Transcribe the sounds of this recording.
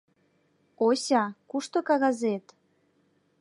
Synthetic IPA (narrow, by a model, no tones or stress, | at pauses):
osʲɑkuʃt̪okɑɣɑzet̪